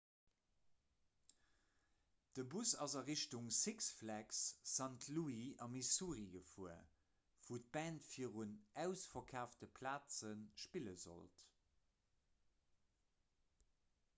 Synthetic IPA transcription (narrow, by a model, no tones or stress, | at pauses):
d̥əbusɑzɐʁiɕtuŋsiksflæksːɑntʰluiɑmisuːʁiɡəfuə̰ | v̥uːt̚b̥æːntfiːəʁunæʊsfɐkʰaːftəpʰlaːt͡sənʃpiləzo̰lt